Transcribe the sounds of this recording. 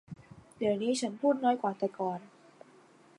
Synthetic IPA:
di˨˩əwniː˦˥t͡ɕʰa˦˥npʰuː˥˩t̪̚nɔː˦˥jkwaː˨˩t̪ɛː˨˩kɔː˨˩n

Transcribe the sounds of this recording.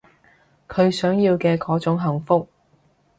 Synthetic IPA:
kʰɵ˨˧ɥsœː˨˥ŋjiː˧wkɛː˧kɔː˨˥t͡sʊ˨˥ŋɦɐ˨˩ŋfʊ˥k̚

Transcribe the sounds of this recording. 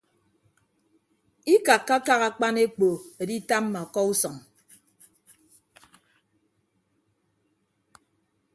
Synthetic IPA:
i˦ka˨kːa˦ka˦ɣa˨k͡pa˦ne˦k͡po˨e˨di˦ta˦m˦ma˨kɔ˦u˦sɔ˨ŋ

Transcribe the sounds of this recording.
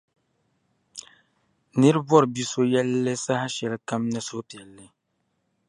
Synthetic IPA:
nɨ˦ɾɨ˦bɔ˦ɾɨ˨bi˦so˦jɛ˦lːɨ˦sa˦ha˦ʃɛ˨lka˦mnɨ˦so˦pjɛ˨lːɨ˦

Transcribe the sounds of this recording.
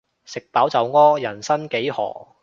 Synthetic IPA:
sɪ˨k̚paː˨˥wt͡sɐ˨wŋɔː˥jɐ˨˩nsɐ˥nke˨˥jhɔ̰ː˨˩

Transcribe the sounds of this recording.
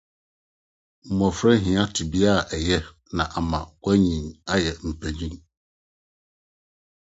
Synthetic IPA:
m̩˨mɔ̃˨fɾɛ̃˦ɦɪ̃˨ã˦tʰɪ˨bi˦a˦˨ʔɛ˨jɛ˦ | nã˨ʔa˨mã˨kʷæ˦ɲĩ˨na˦jɛ˨m̩˨pʰæ˨ɲĩ˦m

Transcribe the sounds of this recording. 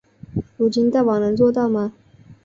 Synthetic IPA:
u˨˩t͡ɕi˧˥nt̪a˥˩wɑ˨˩nə˧˥ŋt͡swɔ˥˧t̪ɑ˥˩ʊma˧

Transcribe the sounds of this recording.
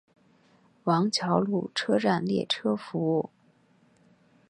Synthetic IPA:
wɑ˧˥ŋt͡ɕʰjɑ˧˥ʊlu˥˩ʈ͡ʂʰɤ˥ʈ͡ʂa˥˩nljɛ̰˥˩ʈ͡ʂʰɤ˥fu˧˥u˥˩

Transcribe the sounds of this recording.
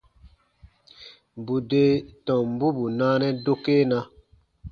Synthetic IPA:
bu˨de˨tɔ̃˨m˦bu˦bu˨naː˦nɛ˦do˦ke˦na˧

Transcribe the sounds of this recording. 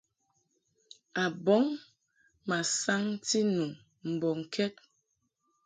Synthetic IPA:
a˨bɔ˨˦ŋ | ma˨sa˦ŋ˦ti˦nu˨ | m̩˨bɔ˨ŋ̩˨kʰɛ˦t̚

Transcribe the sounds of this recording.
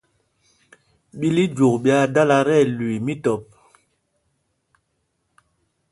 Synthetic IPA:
ɓi˦li˦d͡ʒo˨k̚ɓja˦da˦la˦ɾɛ˦˨lwi˨mi˦tɔ˨p̚

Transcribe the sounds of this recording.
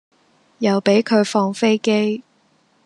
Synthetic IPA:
jɐ˨wpe˨˥jkʰɵ˨˧ɥfɔː˧ŋfe˥jke˥j

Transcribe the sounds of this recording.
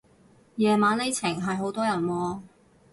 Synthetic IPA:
jɛː˨maː˨˥nle˨˥jt͡sʰɪ˨˩ŋɦɐ˨jɦo˨˥wt̪ɔː˥jɐ˨˩nwɔː˧

